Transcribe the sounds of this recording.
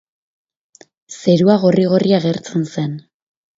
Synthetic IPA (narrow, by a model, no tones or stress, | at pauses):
se̞ɾuaɣo̞riɣ̞oriaɣe̞ɾt͡se̞nse̞n